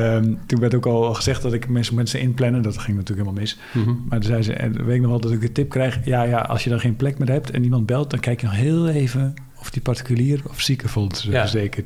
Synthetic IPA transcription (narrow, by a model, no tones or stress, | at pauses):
ətunʋɛrtokɔlˠxəzɛxt̚dɔtɪkmɪnsɛnsənɪnplɛnəndɔtxɪŋnɔtyːləkɦɪlˠmalˠmɪs | madɔzɛjzə̰ɛ̰ʋeːɪknɔxʋɛlˠdɔtɪkətɪp̚krɛjxjajaʔɔ̰lˠsjədɔxeːnplɛkmɪrɦɛp̚tʰɛ̰nimɑnt̚bɛlˠt̚dɔnkɛjkjənɔxɦɪːlˠeːvən | ɔfdiparti̥kyliərɔfsikəfɔlˠtəzeːkər